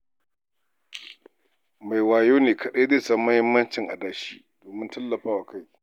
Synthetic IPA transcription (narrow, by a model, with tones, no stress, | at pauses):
ma˨jwaː˨joː˦neː˨kɐ˨ɗeː˦zeː˦sɐ˦mːɐ˦hɪ˦mːɐ˦nt͡ʃɪ˨ŋʔa̰˨dɐ˦ʃḭː˦d̥oː˨mɪ˦ntɐ˦lːɐ˨ɸaː˦wa˨ka˦˨j